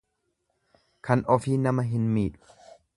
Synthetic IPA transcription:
kʰanʔofinamːaɦinmiːt̪̚

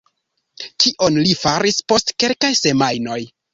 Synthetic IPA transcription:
kiʔo̞nlifaɾispo̞stke̞lkajse̞majno̞j

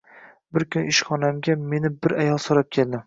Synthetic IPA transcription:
bɪɾkʰʲʊnɪʃχɒnamɡʲame̞nɪbɪɾajɒlˠsoɾap̚kʲʰe̞ld̪ɪ

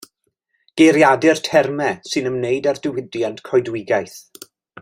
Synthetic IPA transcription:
ɡ̥eɾjadɨrtʰɛrmɛsɨnəmnejdardɪwɪdjantkʰɔjdwɪɡajθ

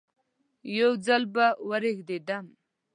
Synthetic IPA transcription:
jowd͡zalbawaɾexd̪ed̪am

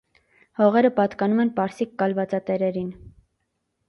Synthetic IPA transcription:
hɔʁɛɾəpɑt̪kɑnumɛnpɑɾsikːɑlvɑt͡sɑt̪ɛɾɛɾin

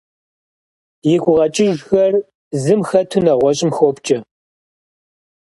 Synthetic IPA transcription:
jɪɡʷʼʊʁɐt͡ʃʼɪʒxɐr | zɨmxɐtʰunɐʁʷɔɕʼɪmxopt͡ʃʼɐ

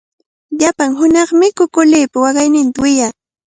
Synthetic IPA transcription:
ʎapaŋɦʊnɑχmɪkʊkʊlɪːpawɑɢɑjnɪnt̪awɪjaː

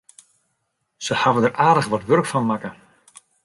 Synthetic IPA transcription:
səhavədərʔaːdəχʋɔtʋørkfɔnmakə

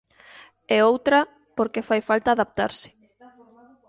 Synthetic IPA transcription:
ɛowt̪ɾɐ | poɾkefajfalt̪aːðap̚t̪a̰ɾsɪ̥

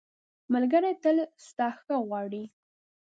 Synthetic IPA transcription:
malɡəɾajt̪əlst̪ɑxəɣwɑɽi

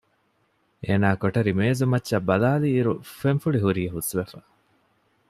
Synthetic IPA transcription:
eːnaːkoʈɐɾimeːzumɐtːʃːɐbɐlaːliːɾufenfuɭiɦuɾiːɦusʋefɐ

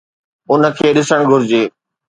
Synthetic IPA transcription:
ʊnə̆kʰeːɗɪsəɽ̃ɡʱʊɾɪd͡ʑeː

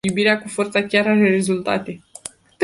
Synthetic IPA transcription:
ubiɾeakufo̞rt̪sakʲaɾaɾere̞zult̪a̰t̪e̞ | t̪

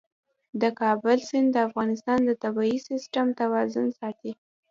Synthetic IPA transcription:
d̪əkɑbʊlsɪnd̪d̪əafɣɑnɪst̪ɑnd̪ət̪abɑisɪsʈamt̪awɑzʊnsɑt̪i

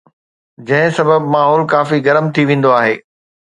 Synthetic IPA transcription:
d͡ʑɐ̃ɦɪ̃sɐbəbmaːɦɔːlkaːfiɡɐɾəmt̪ʰiʋẽːn̆d̪oaːɦeː

